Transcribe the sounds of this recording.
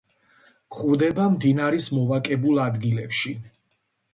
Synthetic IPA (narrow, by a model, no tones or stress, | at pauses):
kχuɾd̪ɛbamd̪inaɾismɔvakʼɛbulˠad̪ɡilɛpʃi